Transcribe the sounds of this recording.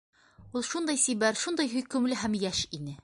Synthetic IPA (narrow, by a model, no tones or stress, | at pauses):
ulˠʃund̪ɑjsibæɾʃund̪ɑjɦɵ̆jkɵ̆mlɘɦæmjæʃinɘ